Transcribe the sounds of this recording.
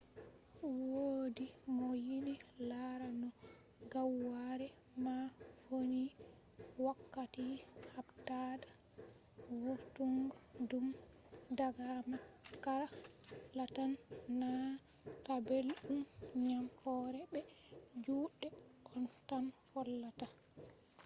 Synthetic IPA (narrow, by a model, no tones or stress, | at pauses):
wodimɔjiɗilaɾanɔɡawːaɾɛ | mafoni | wakːatihabtada | wotuŋɡadum | daɡamakaɾalatanːa | tabelɗumɲamhɔːɾɛbɛd͡ʒuːɗɛʔɔntanfɔlːata